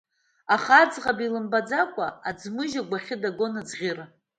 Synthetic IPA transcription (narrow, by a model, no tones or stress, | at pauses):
aχad͡zʁabilɨmbad͡zakʷʼaad͡zmɨʒaɡʷaχʲɪdaɡo̞nad͡zʁʲɪr